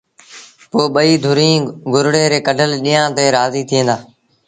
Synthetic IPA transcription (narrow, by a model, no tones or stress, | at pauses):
poːɓəiːd̪ʱʊɾĩːɡʊɾɽeːɾeːkəɖʱəlɗijãːt̪eːɾaːziːt̪ʰɪjẽːd̪aː